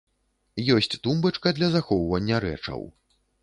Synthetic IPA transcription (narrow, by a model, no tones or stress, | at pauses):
jɔsʲt͡sʲt̪umbɐt͡ʂkɐd̪lʲɐzaxɔwvɐnʲːɐɾɛ̰t͡ʂɐ̰w